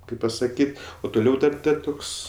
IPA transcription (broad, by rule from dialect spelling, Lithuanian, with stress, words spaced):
ˈkɐɪp pɐsɐˈkʲiːtʲ oː tʊˈlʲɛʊ ˈdɐr ˈdɐr ˈtʊks